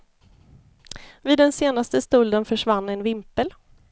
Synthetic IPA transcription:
vɪːd̪ːɛnseːnast̪əst̪ɵld̪ənfœʂvanːɛnvɪmpəl

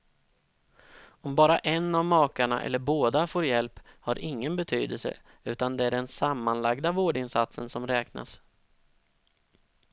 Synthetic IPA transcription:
ɔmbɑːɾaʔɛnːavmɑːkaɳa̰ʔɛ̰lːəɾboːd̪afoːɾjɛlphaɾʔɪŋːənbɛt̪ʰy̰ːd̪əlsə̰ | ʉ̟ːt̪and̪ɛæɖɛnsamːanlaɡd̪avoːɖɪnsat̪sənsɔmɾɛːkna̰s

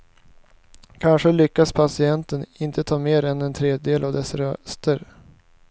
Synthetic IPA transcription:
kʰanʂəlʏkːaspʰasɪɛnt̪ənɪnt̪ət̪ʰɑːmeːɾɛnɛnt̪ʰɾeːd̪jəd̪eːlʔavd̪ɛsɾœst̪əɾ

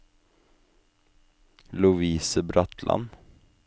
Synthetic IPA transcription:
lʊviːsəbɾat̪ʰlʔa̰n

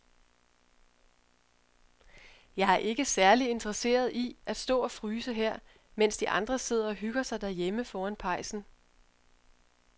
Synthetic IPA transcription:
jɑ̈ɪæɐʔe̝ɡ̥əsæɐlie̝nd̥ʁɐse̝̰ːɐð̞ˠiʔæd̥sd̥ɔ̰̽ːɒ̽fʁyːsəɦeɐ̰ | men̰sd̥iʔɑ̈nd̥ʁɐse̝ð̞̰ˠɐɒ̽ɦyɡ̥ɐsɑ̈ɪd̥æɐjeməfɒːænpʰɑ̈ɪ̰sn̩

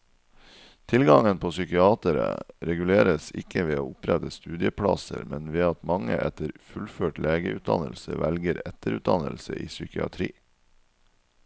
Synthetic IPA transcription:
t̪ʰɪlɡɑŋənpʰoːsʏkɪɑːt̪əɾəɾɛɡʉleːɾəsɪkəʋeːoːʊpɾɛt̪əst̪ʉːd̪ɪəpʰɽɑsəɾmɛnʋeːɑt̪mɑŋəʔɛt̪əɾfʉlføːʈleːɡəʉt̪̚d̪ɑnəlsəʋælɡəɾɛt̪əɾʉt̪̚d̪ɑnəlsəʔiːsʏkɪɑt̪ʰɾiː

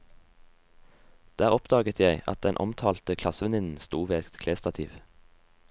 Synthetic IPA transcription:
d̪̥æːʁɔpd̪ɑːɡət̪ʰjæɪɑ̰t̪̚d̪ɛnʔɔ̰mt̪ʰɑːlt̪əkʰlɑsəʋɛnɪnn̩st̪uːʋeːɛt̪t̪kʰleːst̪ɑt̪ʰḭːʋ

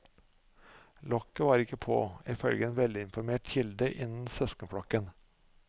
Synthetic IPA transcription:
lɔkːəʋɑːɾɪkəpʰo̰ːɪfœlɡəeːnʋɛld̪ɪɪnfɔɾmeːʈçɪld̪əʔɪnn̩sœskənfɽɑkən

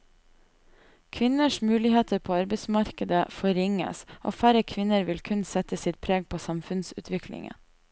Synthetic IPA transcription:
kʰʋɪnəʃmʉːlɪheːt̪ʰəɾpʰoːɑɾbəɪsmɑɾkəd̪əfɔɾɪŋə̰sʔo̰ːfæɾəkʰʋɪnəɾʋɪlkʰʉnsɛt̪əsɪt̪̚pʰɾeːɡ̚pʰoːsɑmfʉnsʉ̰ːt̪ʰʋɪkʰlɪ̰ŋə̰

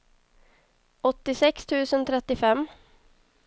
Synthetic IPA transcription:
ɔt̪ːɪsɛkst̪ʰʉːsənt̪ʰɾɛt̪ːɪfɛmː

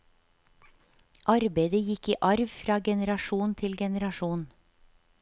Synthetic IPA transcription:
ʔɑɾbeɪd̪əjɪkiːʔɑɾʋfɾɑːɡɛnəɾɑʃuːnt̪ʰɪlɡɛnəɾɑʃuːn

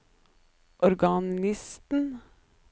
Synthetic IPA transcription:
ʔɔɾɡɑnɪst̪n̩

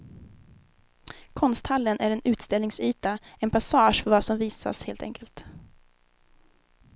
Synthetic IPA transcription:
kʰɔnst̪halːənʔæɾɛnʉ̟ːt̪st̪ɛlnɪŋsyːt̪aɛnpʰasɑːʂfœɾvasɔmviːsa̰sheːlt̪ɛ̰ŋkʰəlt̪

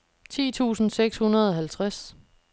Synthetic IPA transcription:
t͡sʰḭːt͡sʰṵːsn̩seɡ̥shunɐð̞ˠɒɦælt͡sʰʁas

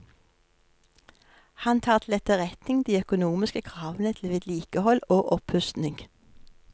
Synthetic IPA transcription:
hɑnt̪ʰɑːʁt̪ʰl̩ɛt̪əʁɛt̪nɪŋd̪iːœkʊnuːmɪskəkʰʁɑːʋənət̪ʰl̩ʋeːd̪liːkəhɔloːʔɔphʉst̪nɪŋɡ

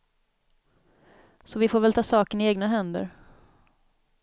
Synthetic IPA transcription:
sɔvɪfoːɾvɛlt̪ʰɑːsɑːkəɳɪeːɡnaɦɛnd̪ə̰ɾ

